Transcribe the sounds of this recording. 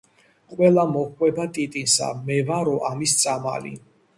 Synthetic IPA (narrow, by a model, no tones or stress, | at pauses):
qʼwɛlˠamɔkʰwɛbat̪ʼit̪ʼinsa̰mɛvaɾɔʔamist̪sʼama̰lḭ